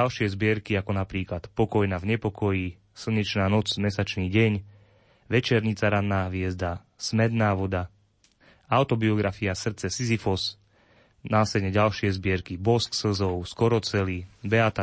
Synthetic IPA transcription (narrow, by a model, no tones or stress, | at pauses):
alʃɪɛzbɪɛɾkiakɔnapɾiːklat̪pɔkɔjnavɲɛpɔkɔjiː | sl̩ɲɛt͡ʃnaːnɔd͡zmɛsat͡ʃniːɟɛɲ | ʋɛt͡ʃɛɾɲit͡saɾanːaːʋɪɛzd̪a | smɛd̪naːʋɔd̪a | aʊt̪ɔbiɔɡɾafiasr̩t͡sɛsizifɔs | naːsɛd̪ɲɛɟalʃɪɛzbɪɛɾkibɔsksl̩zɔʊskɔɾɔt͡sɛlibɛat̪a